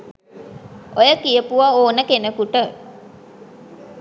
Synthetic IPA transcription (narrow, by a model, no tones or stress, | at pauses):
ojəkijəpuʋaoːnəkenəkuʈə